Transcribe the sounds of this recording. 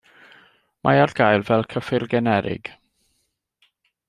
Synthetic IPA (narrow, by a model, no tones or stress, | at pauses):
mʔa̰jarɡ̥ajlˠvɛlˠkʰəfɪlˠɡɛnɛɾɪ̰ɡ̥